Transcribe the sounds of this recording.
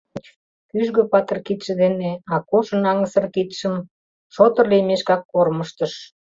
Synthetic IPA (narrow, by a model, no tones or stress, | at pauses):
kyʒɣøpɑt̪ə̆rkit̪ʃĕd̪eneɑkoʃə̆nɑŋəsə̆rkit̪ʃəm | ʃot̪ə̆rlemeʃkɑkːorməʃt̪əʃ